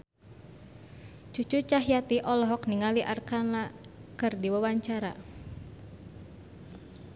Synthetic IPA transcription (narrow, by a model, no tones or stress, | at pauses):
t͡ʃut͡ʃut͡ʃaɦijat̪iʔɔlɔɦɔkniŋaliʔarkanakɨrdiwawaɲt͡ʃaɾa̰